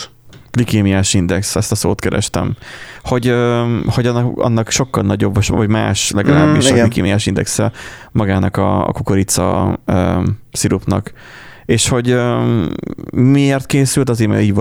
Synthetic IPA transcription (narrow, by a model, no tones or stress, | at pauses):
ɡ̥likeːmijaːʃind̪ɛksɛst̪ɒso̰ːt̪kɛɾɛ̰ʃt̪ɛ̰mho̞ɟøːho̞ɟɒnɒ̰nːɒkʃo̞kːɒlnɒɟo̞bvɒvɒɟma̰ːʃlɛɡɒla̰ːbbːiʃklikḛːmijaːʃind̪ɛ̰ksɛmɒɡaːnɒkɒ̰ːkukoɾit̪sɒ̰øːsiɾupnɒ̰k | eːʃho̞ɟø | mieːrt̪keːsylt̪ɒzeːɾmɛ̰iːɟ